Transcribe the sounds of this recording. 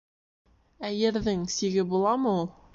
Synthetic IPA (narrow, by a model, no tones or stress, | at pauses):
æjɘ̆ɾðɘŋsiɡɘbulˠɑmɤulˠ